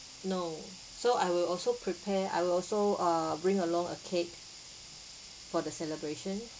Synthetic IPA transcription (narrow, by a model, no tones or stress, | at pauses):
no | soajwɪlɔlsopʰɹipʰɛa̰jwɪlɔlsoabɹĩŋəlɔ̃ŋə̰kʰet̚ | fɔdəsɛləbɹeʃə̃n